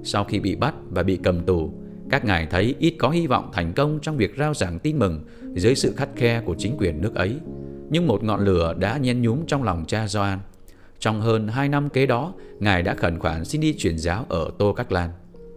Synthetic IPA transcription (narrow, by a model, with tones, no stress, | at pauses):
sa˧wxi˧ɓḭ˧˨ɓa˦˥t̚vaː˨˩ɓḭ˧˨kə˨˩mt̪u˧˩ | kaː˦˥k̚ŋaː˨˩jt̪ʰə˨˦jʔi˦˥t̚kɔ˨˦hi˧vɔ̰˧˨wŋ͡mt̪ʰɛ˨˩jŋ̟kə˧wŋ͡mt͡ɕɔ˧wŋ͡mvi˨˩ək̚zaː˧wzaː˧˩ŋt̪i˧nmɨ˨˩ŋ | zəː˨˦jsɨ̰˧˨xa˦˥jk̟̚xɛ˧ku˧˩ət͡ɕï˨˦ŋ̟kwi˨˩ənːɨ˦˥ək̚ʔə˨˦jɲɨ˧ŋmo˨˩t̚ŋɔ̰˧˨nlɨ˧˩əɗa̰ː˧˥ɲɛ˨˧˦nɲu˨˦mt͡ɕɔ˧wŋ͡mlɔ˨˩wŋ͡mt͡ɕaː˧zaː˧n | t͡ɕɔ˧wŋ͡mɦəː˧nɦaː˧jna˧mke˨˦ɗɔ˨˦ŋaː˨˩jɗa̰ː˧˥xə˧˩nxwaː˧˩nsi˧nɗi˧t͡ɕwi˧˩ənzaː˨˦wʔəː˧˩t̪o˧ka˦˥jk̚laː˧n